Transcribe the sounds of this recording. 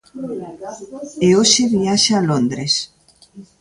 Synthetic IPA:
eoʃeβiaʃaːlond̪ɾes

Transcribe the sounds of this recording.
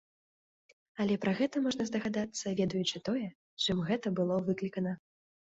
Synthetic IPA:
ɐlʲɛpɾɐɣɛt̪ɐmɔʐnɐzd̪ɐɣad̪at̪sːɐvʲɛd̪ɐjut͡ʂɨt̪ɔjɛ | t͡ʂɨmɣɛt̪ɐbɨlˠɔvɨklʲikɐnɐ

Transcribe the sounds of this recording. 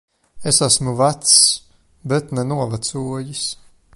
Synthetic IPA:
esasmuvat̪s | bɛt̪nɛnuɔvat̪suɔjis

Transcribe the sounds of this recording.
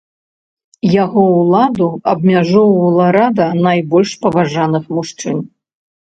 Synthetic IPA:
jaɣɔwlˠad̪uɐbmʲaʐɔwɐwlˠɐɾad̪ɐnajbɔlʲʂpɐvaʐanɨxmuʂt͡ʂɨn

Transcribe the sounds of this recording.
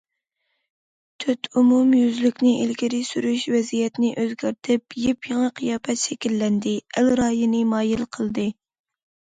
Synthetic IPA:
t̪ʰyt̪ʰumumjyzlykʲnɪʔilɡʲɪɾɪsyɾyʃvɛzijɛt̪nɪʔøzɡʲæɾt̪ʰɪpjɪpjɑŋɑqʰəjɑːpɛt̪ʃɛkʲilːɛnd̪ɪælɾɑːjɨnɨmɑːjilqʰəlˠd̪ɨ

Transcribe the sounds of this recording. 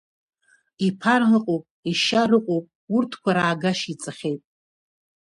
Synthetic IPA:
ipʰarrɨqʼowpʼiʃaɾɨqʷʼowpʼ | urtʰkʷʰaɾaːɡaʃit͡sʼɨχʲejtʼ

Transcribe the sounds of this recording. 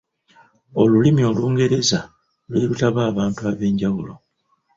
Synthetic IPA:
o̞lulimio̞luːŋɡe̞ɾe̞za | lweːlutaβaːβaːntuaːβe̞ːɲɟawulo̞̰

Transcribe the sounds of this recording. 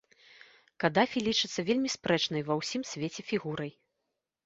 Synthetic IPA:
kad̪afʲilʲit͡ʂɨt̪sːɐvʲelʲmʲispɾɛt͡ʂnɐjvɐwsʲimsʲvʲet͡sʲɛfʲiɣuɾɐj

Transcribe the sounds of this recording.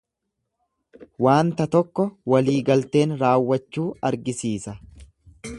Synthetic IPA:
waːnt̪ɐt̪ɔkːɔwɐliːɡɐlt̪e̞ːnɾaːwːɐt͡ʃːuːɐɾɡɪsiːsɐ

